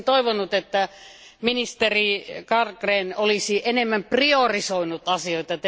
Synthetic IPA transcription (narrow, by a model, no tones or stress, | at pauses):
t̪oiʋonːˑut̪et̪ːæ | minist̪erikɑrkreːnolisiʔenemːæmpriorisoinut̪ɑsioit̪ɑt̪